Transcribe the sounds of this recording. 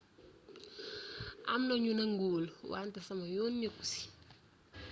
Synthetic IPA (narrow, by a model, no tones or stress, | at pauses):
a̰mnoɲunaŋɡulwa̰ntasamajonɲeku̥si̥